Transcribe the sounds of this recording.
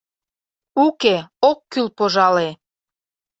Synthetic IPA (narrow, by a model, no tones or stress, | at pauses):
ukeokːylpoʒɑle